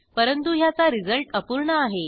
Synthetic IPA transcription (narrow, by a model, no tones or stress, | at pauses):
pəɾənt̪uɦjat͡saɾid͡zəlʈəpuɾɳəaɦe